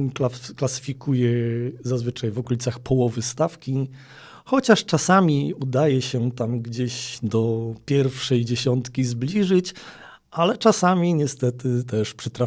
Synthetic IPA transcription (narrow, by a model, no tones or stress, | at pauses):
klaklasɘ̥fʲikʰujɛzazvɘt͡ʂajvɔkɔlʲit̪saxpʰɔwɔvɘst̪afkʲi | xɔt͡ɕaʂt͡ʂasamʲiud̪ajɛɕɛt̪amɡd͡ʑeʑd̪ɔpʲjɛɾfʂɛjd͡ʑeɕɔnt̪kʲizblʲiʐɘt͡ɕ | ʔalɛt͡ʂasamʲiɲɛst̪ɛt̪ɘt̪ɛʂpʂɛt̪ɾa